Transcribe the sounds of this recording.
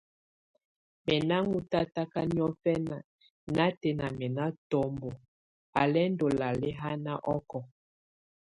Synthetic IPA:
mɛ˨na˦ŋu˦ta˦ta˦ka˦ni˦ɔ˦fɛ˦na˨ | na˦te˨na˨mɛ˨na˦tɔ˦mbo˨ | a̰˨lɛ˦ndo˨la˨lɛ˦ɦa˦na˦ʔɔ˦kɔ˨

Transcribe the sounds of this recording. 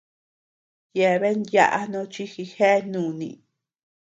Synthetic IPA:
je˧βe˦nja̰˦˧ʔa˧nõ˧˦t͡ʃi˦xi˧xe˦˧nũː˨˧˨nḭ̃˧˨

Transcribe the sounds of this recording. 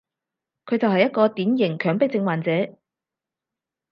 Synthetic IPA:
kʰɵ˨˧ɥt͡sɐ˨whɐ˨jɐ˥t̚kɔː˧t̪iː˨˥njɪ˨˩ŋkʰœː˨˩ŋpɪ˥k̚t͡sɪ˧ŋwaː˨˩nt͡sɛː˨˧˥

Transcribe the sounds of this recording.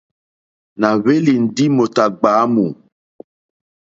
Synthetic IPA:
na˨βe˦li˨n̩˨di˦mo˨ta˨ɡ͡baː˨˦mu˨

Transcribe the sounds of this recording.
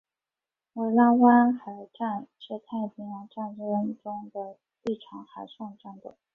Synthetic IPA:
ə˧˥˩lɑ˥ŋwa˥nxa˧˥ɪʈ͡ʂa˥˧nʂɻ̩˥˧t̪ʰa˥˩i˥˩pʰi˧˥ŋjɑ˧˥ŋʈ͡ʂa˥˧nɻɻ̩˥˩wə˥n˨˩ʈ͡ʂʊ˥ŋd̪ə˨ | li˥˩ʈ͡ʂʰɑ˧˥ŋxa˧˥ɪʂwɑ˥˧ŋʈ͡ʂa˥˩nd̪ə̰˨˩˦

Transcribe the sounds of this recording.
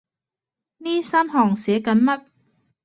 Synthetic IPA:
niː˥˩saː˥˩˨mɦɔː˨˩ŋsi˨˩˦əka˨˧˥nma˦˥˩t̪̚

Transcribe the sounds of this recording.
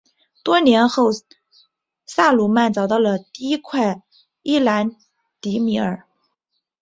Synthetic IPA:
t̪wɔ˥njɛ˧˥nxo˥˩ʊ | sa˥˩lu˨˩ma˥˩nt͡sɑ˨˩ʊt̪ɑ˥˩ʊlə˩t̪i˥˩˧i˥kʰwa˥˩ɪ | i˥˩la˧˥n | t̪i˧˥mi˧˥ə˞˨˩

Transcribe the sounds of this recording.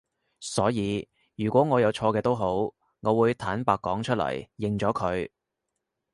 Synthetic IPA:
sɔː˨˥jiː˨˧ | jyː˨˩kʷɔː˨˥ŋɔː˨˧jɐ˨˧wt͡ʃʰɔː˧kɛː˧t̪o˥wɦo˨˥w | ŋɔː˨˧wuː˨˧jt̪ʰaː˨˥npaː˨kːɔː˨˥ŋt͡ʃʰɵ˥t̚lɐ̰˨˩jːɪ˨ŋt͡ʃɔː˨˥kʰɵ˨˧ɥ

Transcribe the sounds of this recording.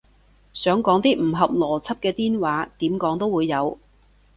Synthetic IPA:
sœː˨˥ŋkɔː˨˥ŋt̪iː˥m̩˨˩ɦɐ˨p̚lɔː˨˩t͡sʰɐ˥p̚kɛː˧t̪iː˥nwaː˨˥t̪iː˨˥mkɔː˨˥ŋt̪o˥wuː˨˧jːɐ˨˧w

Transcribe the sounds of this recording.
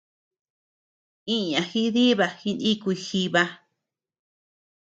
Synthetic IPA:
ĩ˦ɲã˨xi˦ði˦βa˧xi˧nĩ˦kʷu˧xi˧βa˧

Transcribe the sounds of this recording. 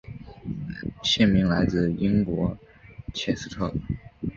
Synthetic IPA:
ɕjɛ˥˩nmi˧˥ŋla˧˥ɪt͡sɹ̩˥˩i˥ŋkwɔ˧˥ | t͡ɕʰjɛ˧˩sɹ̩˥˧t̪ʰɤ˥˩

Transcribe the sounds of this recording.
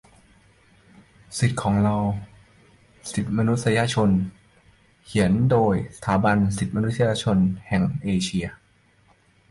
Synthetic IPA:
si˨˩t̪̚kʰɔː˩˦ŋɾa˧w | si˨˩t̪̚ma˧nu˦˥t̪̚sa˧ja˧t͡ɕʰo˧n | kʰi˩˦əndoː˧jsḁ˧t̪ʰaː˩˦ba˧nsi˨˩t̪̚ma˧nu˦˥t̪̚ːsa˧ja˧t͡ɕʰo˧nhɛ˨˩ŋʔeː˧t͡ɕʰi˧ɐ

